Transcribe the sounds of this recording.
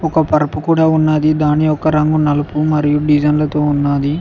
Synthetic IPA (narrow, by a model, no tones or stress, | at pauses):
ɔkɐpɐɾɐpukuːɽaːunːaːd̪id̪aːniɔkɐɾɐŋɡunɐlɐpumɐɾijuɖid͡ʒɐnlɐt̪o̞ːunːaːd̪i